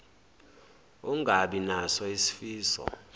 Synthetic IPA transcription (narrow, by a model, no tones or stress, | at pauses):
uŋɡʱaɓinasɔisi̥fiːsɔ̰